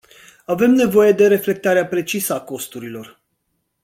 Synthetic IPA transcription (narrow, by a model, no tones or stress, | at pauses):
ave̞mne̞vo̞je̞d̪e̞ɾe̞fle̞k̚t̪aɾeapɾe̞t͡ʃisəako̞st̪uɾilo̞r